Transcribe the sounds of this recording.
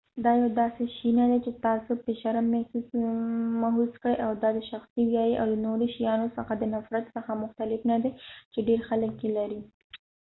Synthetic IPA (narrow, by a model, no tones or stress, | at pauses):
d̪ɑjawd̪ɑseʃinad̪et͡ʃet̪ɑsopəʃaɾamɛu | maɦuskɽəjʔawd̪ɑd̪əʃaxsiwjɑjiʔa̰wd̪ənoɾoʃijɑnosəxad̪ənafɾat̪səxamʊxt̪alɪfnad̪et͡ʃeɖeɾxaləkjelaɾi